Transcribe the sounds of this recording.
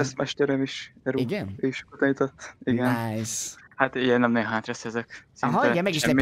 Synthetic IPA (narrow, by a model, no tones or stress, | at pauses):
ɛsmɛʃt̪ɛɾɛmiʃɛɾuɡneːʃkot̪ɛɲit̪ot̪ːiɡɛn | hat̪ijɛnːɛmnɛɦaːt̪ɾɛsɛzɛksnɦt̪iɛɡɛmɛɡʃiʃɛmː